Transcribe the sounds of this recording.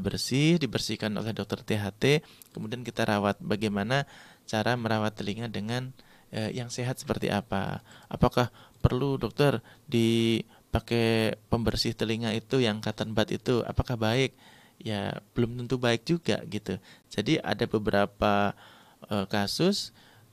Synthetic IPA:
bərsɪhdibərsihkano̰lɛhdɔk̚t̪ɔrt̪eɦat̪e | kəmudiankit̪aɾʔawat̪̚baɡajmanat͡ʃaɾaməɾawat̪ːəliŋadəŋan | ʔəjaŋseɦat̪sə̥pərt̪ḭʔa̰pa̰ʔapakahpərludɔk̚t̪ɔrdi | pakepəmbərsɪht̪əliŋait̪ujaŋkat̪anbat̪ḭt̪ua̰pakahbaɪk̚ | ja̰b̥əlʊmt̪ənt̪ubaɪk̚d͡ʒuɡa̰ɡit̪ud͡ʒadiʔa̰dabəbəɾapa | əkasʊs

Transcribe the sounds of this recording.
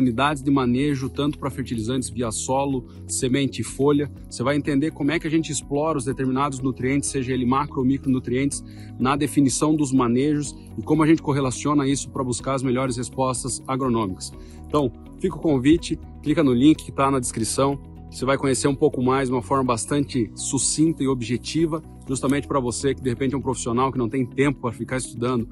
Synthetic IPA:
unid̪ad͡ʒɪzd̪ɪmɐ̃neʒʊt̪ɐ̃nt̪ʊ̥pɾɐfeɾt͡ʃilizɐ̃nt̪ɪzviɐsɔlʊ | semẽnt͡ʃɪːfoʎɐvosevajẽnt̪ẽnd̪eɾkõmʊɛkɪɐʒẽnt͡ʃɪɪsplɔɾɐʊzd̪et̪eɾminad̪ʊznut̪ɾiẽnt̪ɪ̥seʒɐelɪmakɾomikɾʊnut̪ɾiẽnt̪ɪ̥z | nɐd̪efinisɐ̃w̃d̪ʊzmɐ̃neʒʊs | ɪkõmʊɐʒẽnt͡ʃɪkoɦelasiõnɐisʊ̥pɾɐbuskaɾɐzmeʎɔɾɪshespɔst̪ɐzaɡɾonõmikɐ̥s | ẽnt̪ɐ̃w̃ | fikʊkõvit͡ʃɪ | klikɐnʊlĩŋkɪ̥kɪ̥t̪anɐd̪ɪskɾisɐ̃w̃ | sevajkõɲeseɾũpowkʊmajzũmɐfɔɾmɐbast̪ɐ̃nt͡ʃɪsusĩnt̪ɐɪobiʒet͡ʃivɐ | ʒ̥ust̪ɐmẽnt͡ʃɪpɐɾɐvosekɪd̪ehepẽnt͡ʃɛũpɾofisionawkɪnɐ̃w̃t̪ẽj̃t̪ẽmpʊpɾɐfikaɾɪst̪ud̪ɐ̃nd̪ʊ

